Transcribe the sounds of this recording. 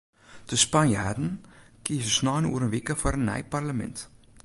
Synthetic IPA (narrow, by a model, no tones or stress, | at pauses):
dəspanjaːdən̩ | kiːsəsnɑːnṵəɾənvikəfɐɾənːɛ̰jparləmɛ̰nt